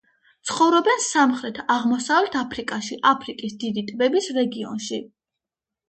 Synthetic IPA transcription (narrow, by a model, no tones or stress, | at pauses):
t̪sʰχɔvɾɔbɛnsamχɾɛt̪ʰaʁmɔsavlɛt̪ʰapʰɾikʼaʃiʔapʰɾikʼisd̪id̪it̪ʼbɛbisɾɛɡiɔ̰nʃi